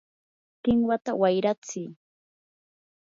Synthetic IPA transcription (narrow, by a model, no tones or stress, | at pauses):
t̪ɪŋwat̪awajɾat͡sɪː